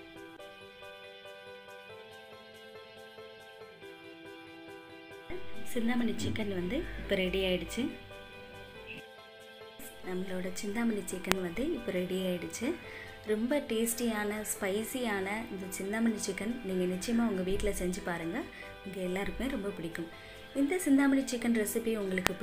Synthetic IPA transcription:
ɐsɪnd̪aːmɐnɪt͡ʃːɪkːɐnʋɐnd̪ɯɪpːɐɾɛɽɪjaːjɪɽɯt͡ʃːɯ | s | nɐmːɐɭoːɽɐt͡ʃɪnd̪aːmɐnɪt͡ʃɪkːɐnʋɐnd̪ɯɪpːɔɾɛɽɪjaːjɪɽɯt͡ʃːɯ | ɾɔmbɐʈeːsʈɪjaːnɐspɐɪsɪjaːnɐɪnd̪ɐt͡ʃɪnd̪aːmɐnɪt͡ʃːɪkːɐnniːŋɡɐnɪt͡ʃːɐjɐmaːʊŋɡɐʋiːʈːɪlɐsɛɲd͡ʒɯpaːɾɯːŋɡɐ | ʊŋɡɐɛlːaːɪɾɯkːɯmeːɾɔmbɐpʊɽɪkːɯm | ɪnd̪ɐsɪnd̪aːmɐnɪt͡ʃɪkːɐnɾɛsɪpːiʊŋɡɐɭɯkːɯp

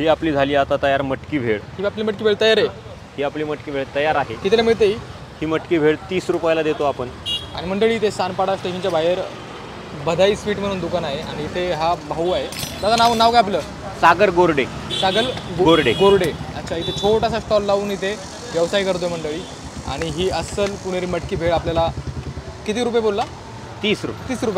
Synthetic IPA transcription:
ɦiːapliːd͡zʱaliːat̪at̪əjaɾməʈkiːbʱeɭɦiːapliːməʈkiːbʱeɭt̪əjaɾe | hiːapliːməʈkiːbʱeɭt̪əjaɾaɦekit̪ʰelemiɭt̪̬eɦi | hiːməʈkiːbʱeɭt̪iːsɾupajalad̪et̪oapəɳa̰ɽ̃im̤əɳɖəɭiːt̪esanpaɽasʈeɕənt͡ɕjabʱajəɾ | bəd̪ʱaiːsʋiːʈm̤əɽ̃uːnd̪ukanaɦeʔañiːt̪ʰeɦabʱauːaɦed̪at̪anaʋnaʋkajapləː | saɡəɾɡoɾɽe | saɡəɾɡɡoɾɖeɡoɾɽeə̰tːɕʰait̪ʰet͡ɕʰoʈasasʈɔlːaʋuːnɦit̪ʰe | ʋjəʋsaikəɾt̪oeməɳɖəɭiː | a̰ɽ̃iɦiːəsəlpuɽ̃eɾiːməʈkiːbʱeɭapljala | kit̪iːɾupjebolːa | t̪iːsɾupt̪iːsɾupaj

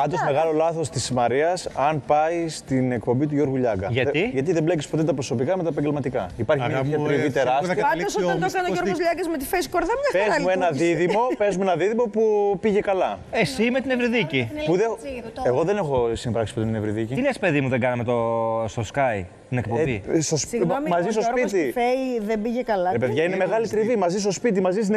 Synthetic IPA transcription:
ɐnd̪ozme̞ɣɐlo̞lɐθo̞st̪ismɐɾiɐsɐnpɐist̪ine̞kpo̞mbit̪uʝo̞ɾɣuʎɐɡɐʝɐt̪iʝɐt̪̬iðemblecispo̞t̪e̞t̪ɐpɾoso̞pikɐmet̪ɐep̬ɐɲɟe̞lmɐt̪ikɐipɐɾçimeɐɐkɾiit̪e̞ɾɐstɐiɐosɐkɐnooɾɣozʎɐɡɐzmet̪ifeskoɾðɐmɲɐpezmuenɐðiðimo̞pe̞zmuenɐðiðimo̞pupiʝe̞kɐlɐesimet̪inevɾiðicipuðe̞ɣo̞ðe̞nexo̞simbɾɐksi̥put̪t̪inevɾiðiciinespe̞ðimuðeɡɐnɐmet̪ost̪oskɐj | t̪inekpobisɐsmɐzist̪ospit̪ifeðembiʝekɐlɐɾepeðʝɐineme̞ɣɐlit̪ɾivimɐzist̪o̞spit̪̬imɐzist̪in

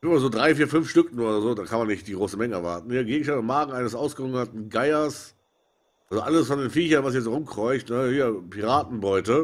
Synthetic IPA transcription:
ɪmɐzoːdʁaɪfiːɐfʏnfʃtʏknuːɐzoːdaːkʰanmanɪçt̚d̥iːɡʁoːsəmɛŋəɛɐva̰ɐtn̩hiːɐɡeːɡŋ̩ʃtantamaːɡŋ̩aɪnəsʔaʊsɡ̥əʁʊŋnɐtn̩ɡaɪɐs | ʔʔalzoʔaləsfɔndeːnfiːçɐnvas̬jɛt͡s̬ʁʊmkʁ̥ɔʏçtnəhiːɐpʰiʁaːtn̩bɔʏtə

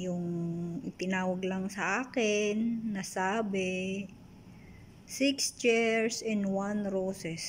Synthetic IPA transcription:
jʊŋʔɪt̪ɪnaːwɐɡlɐŋsɐʔaːkɪnːɐsaːbɪ | sɪkst͡ʃɛɹsɛ̃nwanɾoːsɛs

